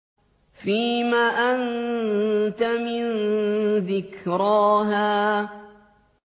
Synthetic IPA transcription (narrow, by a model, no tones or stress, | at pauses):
fiːmaːʔan | t̪amɪnðɪkɾɑːɦaː